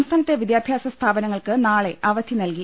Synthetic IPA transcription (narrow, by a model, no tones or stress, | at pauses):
mst̪ʰaːnɐt̪ːe̞ʋid̪jaːbʱjaːsɐst̪ʰaːbɐnɐŋːɐɭkɨnaːɭe̞ʔɐʋɐd̪ʰinɐlki